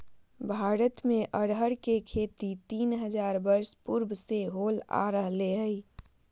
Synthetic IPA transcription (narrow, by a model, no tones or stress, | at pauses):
bʱaːɾət̪mẽʔəɽɦəɽkekʰeːt̪it̪iːnɦəd͡ʒaːɾbəɾspuɾbʱseɦoːla̰ɾəɦleɦəɪ